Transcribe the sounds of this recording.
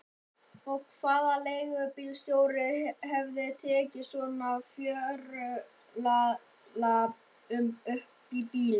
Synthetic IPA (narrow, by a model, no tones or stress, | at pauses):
ɔkʰvaːðalejɣʏpiːlst̪joːwɾɪhɛvðɪt̪ʰɛːcɪsvɔːnafjœːɾʏ | la | la | ʏmœhpipiːlɪ